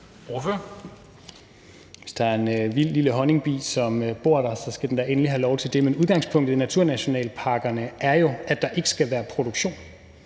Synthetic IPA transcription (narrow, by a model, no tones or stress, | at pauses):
oføɐ | ʋe̝sd̥ɑ̈æɐe̝nʋil̰liləɦɒ̽ne̝ŋb̥ḭːsɒ̽møb̥o̝ɐ̰ɾ̥ɑ̈sɒ̽sɡ̥æd̥end̥ɑ̈ʔenəliɦælɒʊt͡sʰe̝ld̥e̝menuð̞ˠɡ̥ɑ̈ŋspʰɔ̽ŋ̰d̥̩ˠnæt͡sʰuɐ̰næɕo̝nɛ̰ːlpʰɑ̈ɡ̥ɐnəʔæɐjo̝ʔæd̥ɑ̈ʔe̝ɡ̥ə̥sɡ̥æʋæːɐpʰʁo̝ɾ̥oɡ̥ɕo̝̰ːn